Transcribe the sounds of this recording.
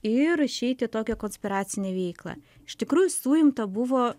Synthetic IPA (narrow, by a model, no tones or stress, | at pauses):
ɪɾɪʃʲɛɪt̪ʲɪt̪oːkʲɛkoːnʲsʲpʲɪɾɑːt̪sʲɪnʲeːʋʲɛɪklˠɑ̰ː | ɪʃt̪ʲɪkɾuːjʊsuːjɪmt̪ɐbʊʋoː